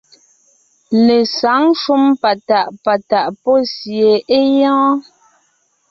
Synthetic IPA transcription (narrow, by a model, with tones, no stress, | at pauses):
le˨sa˨˦ŋʃu˦mpa˨ta˨ʔpa˨ta˨ʔpɔ˦˨sje˨e˦jɔ̃ː˦